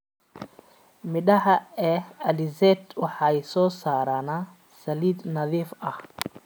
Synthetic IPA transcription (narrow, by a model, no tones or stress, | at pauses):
mɪɗɐħɐɛːɐlɪzɛt̪wɑħɑːɛsɔːsaːɾaːna | sɐliːd̪nɐðiːfɐh